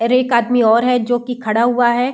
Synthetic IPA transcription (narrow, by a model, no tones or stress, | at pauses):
ɾeːkaːd̪miɔːɾɦɛd͡ʒoːkikʰɐɽaɦuaɦɛː